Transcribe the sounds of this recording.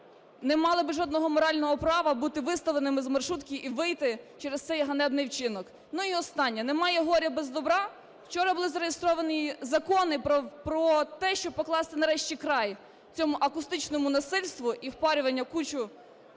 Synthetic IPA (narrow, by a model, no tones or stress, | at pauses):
nɛmɑlˠɪbɪʒɔd̪nɔɦɔmɔɾɑlʲnɔɦɔpɾɑʋɐbut̪ɪʋɪst̪ɐlˠenɪmɪzmɐrʃut̪kʲiʔiʋɪjt̪ɪt͡ʃɛɾest̪sɛjɦɐnɛbnɪjwt͡ʃɪnɔk | nuiɔst̪ɑnʲːɛnemɑjɛɦɔɾʲɐbɛzd̪ɔbɾɑ | wt͡ʃɔɾɐbʊlˠɪzɐɾejest̪ɾɔʋɐnʲizɐkɔnɪppɾɔt̪ɛʃt͡ʃɔpɔklˠɑst̪ɪnɐɾɛʃt͡ʃʲikɾɑj | t͡sʲɔmʊʔɐkʊst̪ɪt͡ʃnɔmʊnɐsɪlʲst̪ʋʊʔiwpɑɾʲʊʋɐnʲːɐkut͡ʃʊ